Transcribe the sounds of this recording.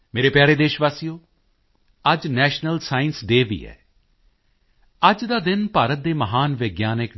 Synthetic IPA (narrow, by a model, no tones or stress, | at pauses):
meːɾeːpɪjaːɾeːd̪eːʃʋaːsijoː | əd͡ʒnɛːʃnəlsaːɪnsɖeːʋḭːɛ̰ː | əd͡ʒd̪aːd̪ɪnpaːɾət̪̚d̪eːməɦaːnʋɪɡjaːnɪk